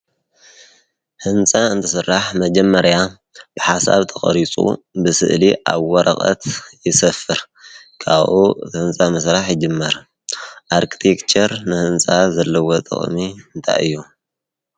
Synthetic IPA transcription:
hɨnt͡sʼaɨnt̪ʰɨsɨrːaħmɐd͡ʒɐmːɐɾja | b̥ɨħasa̰βt̪ʰɐχʼɐ̰ɾit͡sʼṵbɨsɨ̰ʔliʔa̰βwɔɾɐ̰qʼɐ̰t̪jɪsɐfɨɾ | kʰaβʔuɨ̰t̪ʰhɨnt͡sʼamɐsɾaħjɪd͡ʒɨmːɐɾ | ʔaɾkʰi̥t̪ʰekt͡ʃɐɾnɨhɨnt͡sʼazɐlːɐwot̪ʼɨ̰χʼmiɨnt̪ʰa̰jɨjːu

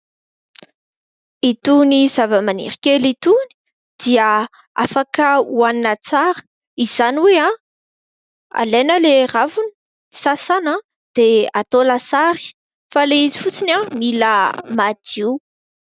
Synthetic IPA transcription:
it̪uniz̥avəmanḭɾikʲelit̪uni̥ | d̪̥iə | a̰fakəuaninat͡saɾə̥ | iz̥aniwea | a̰lenəleravuni̥ | sasana | d̪̥eat̪olasaɾi̥ | faleizifut͡sinamiləmad̪̥i

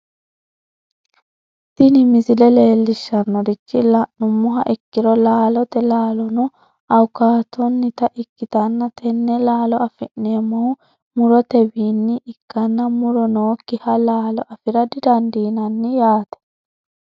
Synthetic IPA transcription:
t̪ɪnɪmɪzɪlɛle̞ːlːɪʃːɐnːɔɾɪt͡ʃːɪlɐʔnʊmːʊɦɐʔɪkːɪɾɔlaːlɔt̪ɛlaːlɔnʊ | ɐwkaːt̪ɔnːɪt̪ɐʔɪkːɪt̪ɐnːɐt̪ʰɛnːɛlaːlɔɐfɪʔːemːɔʊ | mʊɾɔt̪ɛbiːnːɪʔːkːɐnːɐmʊɾɔnoːkːɪhɐlaːlɔʔɐfɪɾɐd̪ɪd̪ɐnd̪iːnɐnːɪjaːt̪ɛ̥

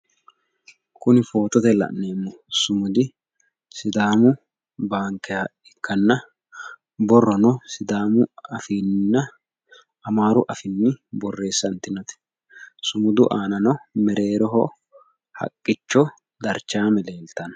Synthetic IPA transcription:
kʊnɪfo̞ːt̪ɔt̪ɛlɐ̰ʔne̞ːmːʊsʊmʊd̪ɪ | sɪd̪aːmʊ | baːŋkɛjɐ | ɛkʰːɐnːɐ | bɔrːɔnɔsɪd̪aːmʊɐfiːnːɐ | ɐmaːɾʊʔɐfɪnːɪbɔrːe̞ːsːɐnt̪ːɪnɐt̪ɛ̥ | sʊmʊd̪ʊʔaːnɐnɔmɛɾe̞ːɾɔɦɔ | hɐ̰kʼːɪt͡ʃːɔ | d̪ɐɾt͡ʃːaːmɛle̞ːlt̪ːɐn

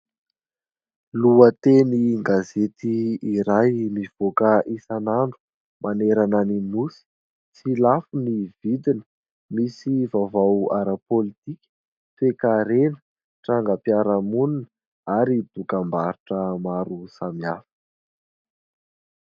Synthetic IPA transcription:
luət̪eniŋɡazet̪iːɾajmiv̥okəʔisanaɳɖ͡ʐu̥ | maneɾananimusi̥ | t͡silafunivid̪inə̥ | misivavawaɾəpolit̪ikʲə̥ | fekaɾenə̥ | ʈ͡ʂaŋɡəpiaɾəmunin | aɾid̪̥ukambaɾiʈ͡ʂəmaɾusamiafə̥

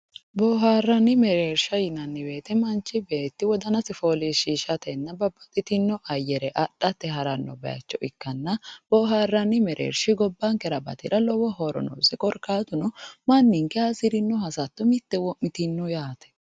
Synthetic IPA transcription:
boːɦaːrːɐnːɪmɛɾeːɾʃɐjɪnɐnːɪbe̞ːt̪ɛmɐnt͡ʃːɪbeːt̪ːɪwɔd̪ɐnɐsɪfoːliʃiːʃɐt̪ɛnːɐbɐbːɐt̪ʼɪt̪ɪnːɔʔɐjːɛɾɛʔɐᶑɐt̪ːɛɦɐɾɐnːɔ̰bɐ̰jɐ̰t͡ʃːɔʔɪkːɐnːɐb̥ɔːɦaːrːɐnːɪmɛɾʔḛːɾʃɪɡɔbːɐŋkɛɾɐbɐt̪ɪɾɐlɔwɔɦɔɾɔ̰no̰ːsɛkʼɔɾkaːt̪ʊnɔmɐnːɪŋkɛɐsɪɾɪnːɔhɐsɐt̪ːɔmɪt̪ːɛwɔmɪt̪ɪnːɔjaːt̪ɛ̥

